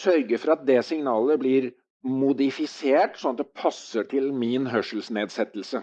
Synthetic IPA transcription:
sœɾɡəfɔɾɑt̪̚d̪ɛsɪŋnɑːləbliːɾ | mʊd̪ɪfɪseːʈsɔnɑt̪̚d̪ɛpʰɑsːəʈʰɪlmɪnɦœʂl̩sneːd̪sɛt̪ːəl̩sə

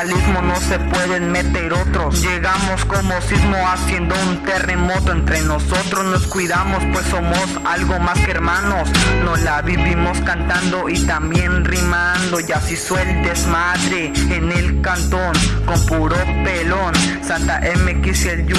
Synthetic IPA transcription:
lizmo̞nose̞pweðenme̞t̪eɾot̪ɾosd͡ʒeɣamo̞skomosizmoasje̞nd̪o̞unt̪e̞re̞mot̪oent̪ɾenosot̪ɾosnoskwiðamospwesːomosalɣomaskeeɾmano̞snolaβiβimo̞skant̪and̪o̞it̪ambje̞nrimand̪o̞ʝasiswelt̪esmaðɾeːnelkant̪oŋkompuɾopelonsant̪aʔemekisel

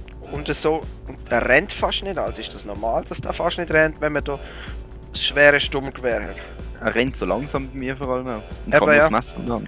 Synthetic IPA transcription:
ʊndəsoːʊnddɛɾɛntfɑʃtnɪdalsɪʃd̥ɑsnɔɾmaːld̥ɑsd̥a̰fɑʃtnɪdɾɛntvɛnməd̥ɔː | sʃvɛːɾəʃtʊmkvɛːɾhɛ̰t | ɛʁɛntsoːlɑŋsɑːmbamiːɐfɔːʁɑləmaʊʊnɛɑbəjamasnɑn

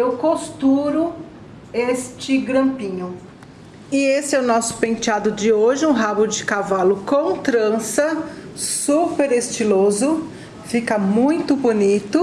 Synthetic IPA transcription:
ewkost̪uɾʊ | est͡ʃɪɡɾɐ̃pĩɲʊ | ɪesɪɛʊnɔsʊ̥pẽnt͡ʃad̪ʊd͡ʒɪoʒɪũɦabʊd͡ʒɪkavalʊkõw̃t̪ɾɐ̃sɐsupeɾest͡ʃilozʊ | fikɐmũj̃t̪ʊbonit̪ʊ

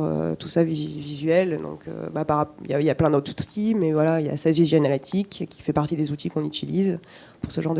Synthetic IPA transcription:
ʁø̰t̪u̥savivizɥɛld̪ɔ̰̃kʰø̰bapaʁijailjaplɛ̃d̪ot̪χut̪imɛvwalailja̰sɛzvizanalat̪ʰikkʲʰi̥fɛpaʁt̪id̪ezut̪ʰikɔ̃nyt̪ʰiliz | puʁsəʒɑ̃ʁd̪

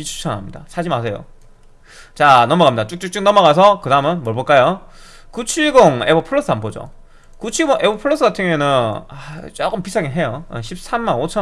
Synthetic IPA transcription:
pit͡ɕʰu̥t͡ɕʰanɦa̰mɲida̰sʰad͡ʑimasʰejo̰ | t͡ɕanʌmʌɣamɲidat͡ɕ͈uk̚t͡ɕ͈uk̚t͡ɕ͈uk̚nʌmʌɡas̬ʰʌkɯdamɯnmʌɭboɭk͈ajo | kut͡ɕʰiɭɡoŋebʌpʰɯɭːos͈ɯanbod͡ʑo̰ | kut͡ɕʰiɡoŋʔe̞bopʰɯɭːos͈ɯɡatʰɯŋoenɯnat͡ɕ͈oɡɯmpisʰaŋiɦejoḛɕʰip̚s͈ʰamːanot͡ɕʰʌ

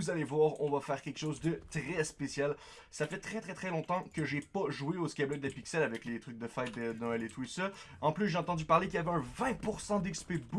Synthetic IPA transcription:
uzalevwaːʁɔ̃vafɛːʁkʲɛlkə̥ʃoːzd̪ət̪ʁɛspesjal | safɛt̪χɛt̪χɛt̪χɛlɔ̃t̪ɑ̃kəʒepaʒuweoskʲɛblɛk̚d̪əpiksɛlavɛklet̪χyk̚d̪əfajt̪̚d̪əd̪ɔ̃ɛlet̪wisɛɑ̃plysʒeɑ̃t̪ɑ̃d̪ypaʁlekʲiavɛɛ̃vɛ̃puʁsɑ̃d̪ɛkspɛbu

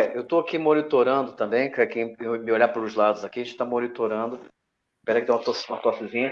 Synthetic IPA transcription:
ɛewt̪oakimonit̪oɾɐ̃nd̪ʊt̪ɐ̃mbẽj̃kɛkẽj̃ẽmɪoʎapaɾʊzlad̪ʊzakiɐẽt͡ʃɪ̥t̪amonit̪oɾɐ̃nd̪ʊ | pɛɾɐkɪt̪ɐt̪osũmɐt̪ɔsɪzĩɲɐ

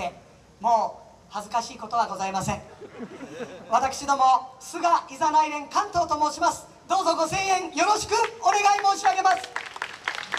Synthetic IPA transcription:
e | mo̞ː | hazɨkaɕiːko̞t̪o̞β̞aɡo̞zaimasẽ̞ŋ | βat̪akɯ̟̥ɕid̪o̞mo̞sɨɡaʔizanaiɾẽ̞ŋkãnt̪o̞ːt̪o̞moːɕimasɨ̥ | d̪o̞ːzo̞ɡo̞sẽ̞ɰ̃ẽ̞ŋjo̞ɾo̞ɕi̥kɯ̟one̞ɡaimo̞ːɕiaɡe̞masɨ̥

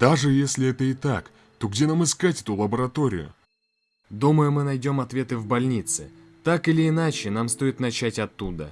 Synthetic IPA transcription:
d̪̥aʐɨjesʲlʲɪɛt̪əɪt̪ak | t̪o̞ɡdʲe̞namɨskatʲɛt̪ʊlˠəbəɾɐt̪o̞ɾʲɪ̰jʊ̰ | d̪uməjʊmɨnɐjdʲo̞mɐt̪vʲe̞t̪ɨvbɐlʲnʲit̪sɨ̰ | t̪akɨlʲɪːnat͡ɕɪnamst̪o̞jɪt̪nɐt͡ɕætʲɐt̪ːud̪ə̰

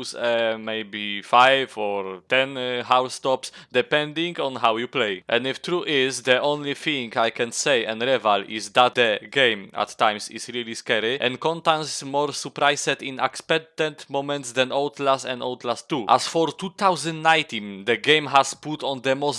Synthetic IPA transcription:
sɛmejbifajvɔɹt̪ɛ̃nhawst̪ɔpsd̪ɛpɛ̃nd̪ĩŋɡɔ̃nɦawjuplejʔɛ̰̃ndift̪ɾuʔɪzd̪əʔõnliθĩŋɡajkɛ̃nsejɛ̃nɾɛvalizd̪at̪̚d̪əɡẽjmʔa̰t̪ːãj̃msḭsɾiliskɛɾiʔɛ̰̃nkɔ̃nt̪ãnsmɔɾsupɾajsɛt̪ĩnakspɛk̚t̪ɛ̃nt̪mõmɛ̃nt̪sd̪ɛ̃nowt̪lasɛ̰̃nowt̪last̪ːuʔa̰sfɔɾt̪ut̪awzɛ̃nnãjt̪ĩnd̪əɡẽjmɦasput̪ɔ̃nd̪əmɔs

